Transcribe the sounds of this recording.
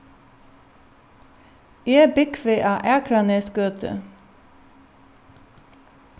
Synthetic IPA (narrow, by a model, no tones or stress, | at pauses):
eːbɪkʰʋeːʔɑːʔæːkʰɾɑneːsɡøːt̪ʰə̰